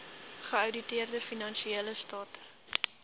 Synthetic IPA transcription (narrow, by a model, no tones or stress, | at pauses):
χəɐwditiərdəfinɐnʃieːləstɑːtə